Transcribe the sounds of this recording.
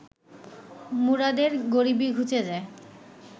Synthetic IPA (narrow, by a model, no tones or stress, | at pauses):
muɾad̪eɾɡoɾibiɡʱut͡ɕed͡ʑae